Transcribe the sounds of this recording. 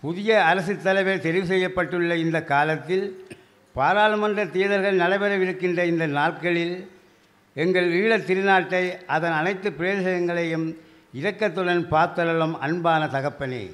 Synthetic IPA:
pʊðɪjɐɐɾɐsɯt̪ːɐlɐɪʋeːt̪ɛɾɪʋɯs̬ɛjːɐpːɐʈːɯɭːɐɪnd̪ɐkːaːlɐt̪ːɪl | paːɾaːlɯmɐnd̪rɐt̪iːðɐɾɣɐɭnɐlɐɪʋɐɾɐʋɪɾɯkːɪndrɐɪnd̪ɐnaːʈkɐɭɪl | ɛŋɡɐɭiːɭɐt̪ːɪɾɯnaːʈːɐɪʔɐðɐnɐnɐɪt̪ːɯpːɪɾejɐðɪsɐjɐŋɡɐɭɐjɯm | ɪɾɐkːɐt̪ːɯɽɐnpaːɾt̪ɐɾɐɭɐmɐ̰nbaːnɐt̪ɐɣɐpːɐnḭ

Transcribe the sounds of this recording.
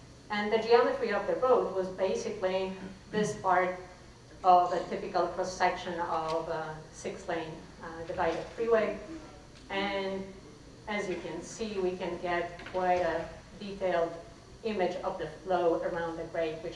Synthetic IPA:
ɨ̃nðɨd͡ʒiɑmɨtʰɹ̥iʌvðɨɹoʊd̚wʌzbeɪsɨkliðɪspʰɑɹɾ | ʌvɨtʰɪpɨkl̩ˠpʰɹ̥əsɛkʃɨ̃nʌvsɪkslẽɪ̃n | dɨvaɪɾɨd̥fɹiweɪ | ɨ̃n | ɨzjɨkɨ̃nsiwikɨ̃nɡɛt̚kkʰw̥aɪɾɨ | ditʰeɪlˠd | ɪ̃mɨd͡ʒʌvðɨfloʊə˞ãʊ̃nðɨdɹeɪd̚wɨt͡ʃ

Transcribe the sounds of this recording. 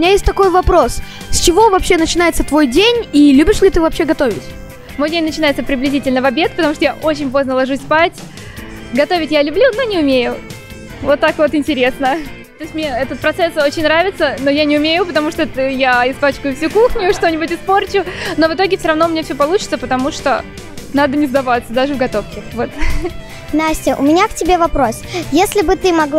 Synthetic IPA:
ʊɪnʲajesʲtʲt̪ɐko̞jvɐpɾo̞s | sʲt͡ɕɪvo̞vɐpɕːenət͡ɕɪnajɪt̪sət̪vo̞jdʲenʲilʲubʲɪʂlʲɪt̪ɨvɐpɕeɡɐt̪o̞vʲɪ̰tʲ | mo̞jdʲenʲnət͡ɕɪnajɪt̪səpɾʲɪblʲɪzʲitʲɪlʲnəvɐbʲe̞t̪̚pət̪ɐmuʂt̪ojaʔo̞t͡ɕɪnʲpo̞znəlˠɐʐusʲspatʲ | ɡɐt̪o̞vʲɪtʲjalʲʊblʲunonʲɪʊmʲejʊ | vot̪ːakvo̞t̪ɪnʲtʲɪɾʲesnət̪o̞ɪsʲtʲmnʲeɛt̪ət̪̚pɾɐt̪sɛso̞t͡ɕɪnʲnɾavʲɪt̪səno̞janʲɪʊmʲejʊpət̪ɐmuʂt̪ot̪əjaɪspat͡ɕkʊjʊfsʲukuxnʲʊʂt̪o̞nʲɪbʊtʲɪspo̞rt͡ɕʊno̞vɨt̪o̞ɡʲɪfsʲoɾɐvnomʲnʲefsʲopɐlˠut͡ɕɪt̪səpət̪ɐmuʂt̪o̞̰ | nad̪ənʲɪzd̪ɐvat̪sːəd̪aʐɨvɡɐt̪o̞fkəxvo̞t̪ | nasʲɪʔʊ̰mʲɪnʲaktʲɪbʲevɐpɾo̞sjesʲlʲɪbɨt̪ɨmɐɡl

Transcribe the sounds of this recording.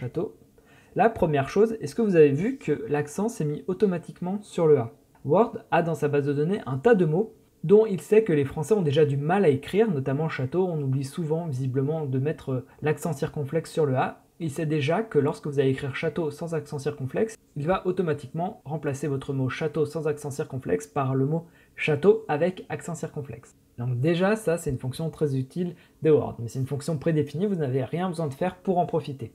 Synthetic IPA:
at̪o | lapχəmjɛʁʃozɛsə̥kəvuzavevykʰəlaksɑ̃sɛmiʔot̪ɔmat̪ikmɑ̃syʁləa | waʁd̪ad̪ɑ̃sabazd̪əd̪ɔneʔɛ̃t̪ad̪əmo | d̪ɔ̃ilsɛkəlefχɑ̃sɛɔ̃d̪eʒad̪ymalaekχiʁnɔt̪amɑ̃ʃat̪oɔ̃nublisuvɑ̃vizibləmɑ̃d̪əmɛt̪χəlaksɑ̃siʁkɔ̃flɛksːyʁləa | ilsɛd̪eʒakəlɔʁskəvuzaleːkχiʁʃat̪osɑ̃zaksɑ̃siʁkɔ̃flɛks | ilvaʔot̪ɔmat̪ikmɑ̃ʁɑ̃plasevɔt̪χəmoʃat̪osɑ̃zaksɑ̃siʁkɔ̃flɛ̰kspaʁləmo | ʃat̪oavɛkaksɑ̃siʁkɔ̃flɛ̰ks | d̪ɔ̃k̚d̪eʒasasɛt̪ynfɔ̃ksjɔ̃t̪χɛzyt̪ʰil | d̪əɔ̰ʁd̪mɛsɛt̪ynfɔ̃ksjɔ̃pχed̪efinivunaveʁjɛ̃bəzwɛ̃d̪əfɛʁpuʁɑ̃pχɔfit̪e

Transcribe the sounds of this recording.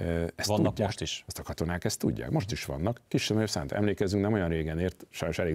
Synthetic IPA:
ɛsnuːʃt̪iʃst̪ɒkɒt̪o̞naːkɛst̪ːṵɟːa̰ːkmo̞ʃt̪iʃʋɒ̰nːɒkːiʃɛmɛjøsa̰ːnt̪ɛ̰mleːkɛzyŋknɛmo̞jɒnreːɡɛneːrt̪ʃɒjno̞ʃɛleːɡ

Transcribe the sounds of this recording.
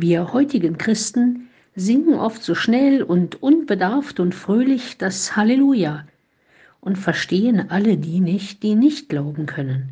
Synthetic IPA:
viːɐhɔʏtɪɡənkʁ̥ɪstn̩ | zɪŋkŋ̩ʔɔftz̥oːʃnɛlʊntʔʊnbədaɐftʊntfʁ̥øːlɪçd̥ashaleluːjaː | ʔʊntfɛɐʃteːənʔalədiːnɪçt̚d̥iːnɪçt̚ɡ̥laʊbm̩kʰœnən

